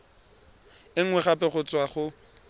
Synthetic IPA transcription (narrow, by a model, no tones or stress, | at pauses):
ɪŋ̩wɛχapʼɛχʊt͡sʼwaχʊ